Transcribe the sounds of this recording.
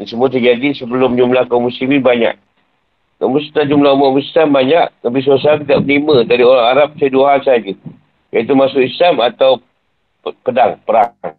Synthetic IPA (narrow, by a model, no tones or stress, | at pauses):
nsəmuat̪ərd͡ʒadisəbəlʊmd͡ʒumlahkamusliminbaɲa̰ʔ̚ | kamusu̥t̪ad͡ʒumlaɦumaʔmuslambaɲaʔt̪abis̬asaaŋt̪idaʔməniməd̪adioɾaŋaɾap̚saduaɦansaad͡ʒu | jait̪umasʊkislamat̪aw | pədaŋpəɾaŋ